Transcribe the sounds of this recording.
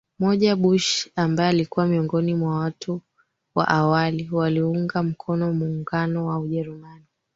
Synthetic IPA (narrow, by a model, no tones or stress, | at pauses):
mɔʄaɓuʃambajɛalikuwamiɔŋɡɔnimwawatʰu | wa̰ʔawaliwaliuŋɡam̩kʰɔnɔmuːŋɡanɔwauʄɛɾumani